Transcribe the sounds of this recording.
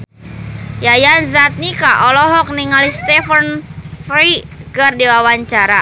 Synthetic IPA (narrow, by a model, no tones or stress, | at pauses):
jajanzat̪̚nikaʔɔlɔɦɔk̚niŋalist̪ɛfənfɾikərdiwawaɲt͡ʃaɾa